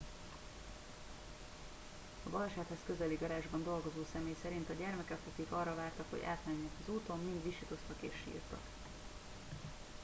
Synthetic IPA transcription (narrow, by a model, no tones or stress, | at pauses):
ɒbɒlʃaːt̪hɛskø̞zɛliɡɒɾaːʒbɒnd̪o̞lɡo̞zoːsɛmeːjsɛɾint̪ɒɟɛrmɛkɛk̪ɒkikɒrːɒvaːrt̪ɒkhoɟa̰ːt̪mɛɲːɛkɒzuːt̪o̞mːind̪ʋiʃit̪o̞st̪ɒkḛːʃːḭːrt̪ɒ̰k